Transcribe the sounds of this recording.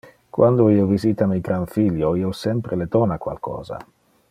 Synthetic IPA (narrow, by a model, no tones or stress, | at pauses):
kwand̪oiːoviziːt̪amijɡɾanfiljoiːosɛmpɾeled̪ɔːnakwa̰lkɔ̰ːza̰